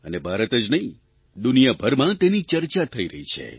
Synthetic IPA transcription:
ənebʱaɾət̪əd͡ʒnəɦĩ | d̪unijabʱəɾmãt̪enit͡ʃəɾt͡ʃat̪ʰəiɾəɦit͡ʃʰḛ

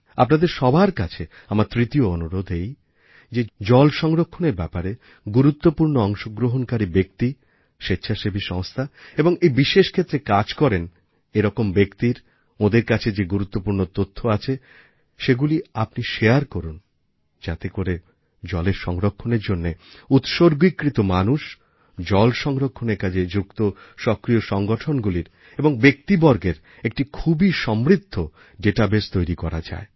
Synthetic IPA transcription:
apnad̪eɾʃɔbʱaɾkat͡ɕʰe | amaɾt̪ɾit̪ioonuɾod̪ʱej | d͡ʑed͡ʑɔlʃɔŋɾokʰːoneɾbɛpaɾe | ɡuɾut̪ːopuɾnoɔŋʃoɡɾoɦonkaɾibek̚t̪i | ʃetːɕʰaʃebʱiʃɔŋst̪ʰaeboŋejbiʃeʃkʰet̪ːɾekad͡ʑkɔɾen | eɾɔkombekt̪iɾ | od̪eɾkat͡ɕʰed͡ʑeɡuɾut̪ːopuɾnot̪ot̪ʰːoat͡ɕʰe | ʃeɡuliapniʃeaɾkoɾun | d͡ʑat̪ekoɾe | d͡ʑɔleɾʃɔŋɾokʰːoneɾd͡ʑonːeut̪ʃoɾɡwikːɾit̪omanuʃ | d͡ʑɔlʃɔŋɾokʰːoneɾkad͡ʑʰed͡ʑukt̪oʃɔkɾioʃɔŋɡoʈʰonɡuliɾ | eboŋbek̚t̪ibɔɾɡeɾ | ek̚ʈikʰubiʃɔmɾid̪ʱːo | ɖeʈabest̪ojɾikɔɾad͡ʑa̰e

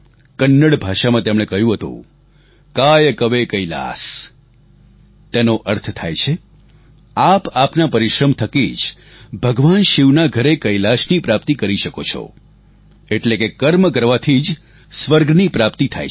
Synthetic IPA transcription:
kənːəɽbʱaʃamãt̪emɽ̃ekəɦjũɦət̪ṵ̃ | kajkəʋekəila̰s | t̪enoʔəɾt̪ʰt̪ʰajt͡ʃʰe | apapnapəɾiʃɾəmt̪ʰəkid͡ʒ | bʱəɡʋanʃiʋnaɡʱəɾekəilasnipɾapt̪ikəɾiʃəkot͡ʃʰo̰ | eʈlekekəɾmkəɾʋat̪ʰid͡ʒ | sʋəɾɡnipɾapt̪it̪ʰa̰j

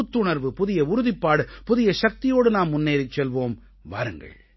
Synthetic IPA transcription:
t̪ːʊɳɐɾʋɯpʊðɪjɐʊɾʊðɪpːaːɽɯpʊðɪjɐʂɐk̚t̪ɪjoːɽɯnaːmːʊnːeːɾɪt͡ʃːɛlʋoːm | ʋa̰ːɾɯŋɡɐ̰ɭ

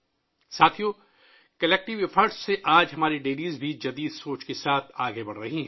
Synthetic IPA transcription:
saːt̪ʰijõ | kɐlɛːk̚ʈɪʋefʰəɾɖsseʔaːd͡ʒɦɐmaːɾiɖeːliːzbʱid͡ʒɐd̪iːd̪soːt͡ʃkesaːt̪ʰaːɡebɐɽ̤ɾɐɦiɦɛ̃

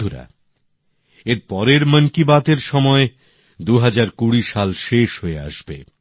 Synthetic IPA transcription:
uɾa̰ | eɾpɔɾeɾmənkibat̪eɾʃɔmɔe | d̪uɦad͡ʑaɾkuɽiʃalʃeʃɦoea̰ʃbe

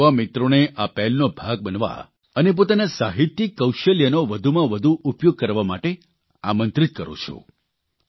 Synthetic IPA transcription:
amit̪ɾoneʔapɛlnobʱaɡ̚bənʋa̰ | ənep̬ot̪anasaɦit̪ːjikəwʃəljənoʋəd̪ʱumãʋəd̪ʱuʔupjoɡ̚kəɾʋamaʈe | amə̃nt̪ɾit̪̚kəɾo̰t͡ʃʰo̰

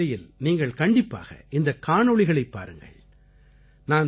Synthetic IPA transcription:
ɐjɪlniːŋɡɐɭkɐɳɖɪpːa̰ːɣɐ̰ʔɪnd̪ɐkːaːɳɔɭɪɣɐɭɐɪpːa̰ːɾɯŋɡɐ̰ɭ | naːn

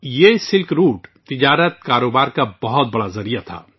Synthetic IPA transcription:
jeːsɪlkɾuːʈt̪ɪd͡ʒaːɾət̪̚kaːɾoːbaːɾkabɐɦʊt̪̚bɐɽazɐɾijat̪ʰa̰ː

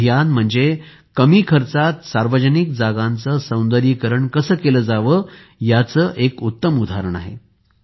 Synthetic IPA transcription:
janm̤əɳd͡ze | kəmiːkʰəɾt͡sat̪saɾʋəd͡ʑənik̚d͡zaɡãnt͡səsə̃w̃nd̪əɾiːkəɾəɳkəsəːkeləːd͡zaʋə | jat͡səːʔekut̪ːəmud̪ʱaɾəɳa̰ɦḛ

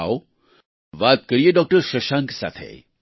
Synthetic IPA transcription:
o | ʋaːt̪̚kɐɾieɖɔk̚ʈəɾʃɐʃaːŋksa̰ːt̪ʰḛ

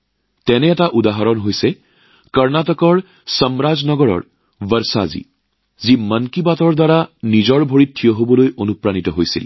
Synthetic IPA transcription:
tɛnɛːtaʔudaɦaɹɔnɦojsɛ | kəɹnatɔkɔɹ | sɔmɹaznɔɡɔɹɔ̰ɹ | bəɹsa̰zḭ | zimənkibatɔɹdaɹanizɔɹbʱoɹitʰːijɔɦobɔlojonupɹanitɔɦojsḭl

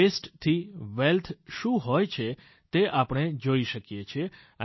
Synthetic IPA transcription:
esʈt̪ʰiʋelt̪ʰʃũɦojt͡ʃʰe | t̪eʔapəɽ̃ed͡ʒoiʃəkjet͡ʃʰe

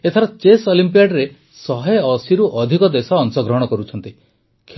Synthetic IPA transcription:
et̪ʰaɾɔt͡ʃesɔlimpijaɖɾe | sɔɦejɔsiɾuʔɔd̪ʱikɔd̪esɔːnsɔɡɾɔɦɔɽ̃ɔkɔɾut͡ʃʰɔnt̪i | kʰ

